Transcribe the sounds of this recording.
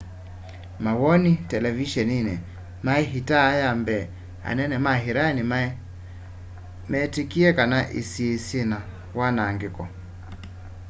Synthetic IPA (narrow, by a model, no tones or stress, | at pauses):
mawɔnitɛlɛviʃɛninɛ | maɛɦitaːjambɛ | a̰nɛnɛmaɦiɾanim | mɛtikiɛkanaʔḭsisina | wanaŋɡikɔ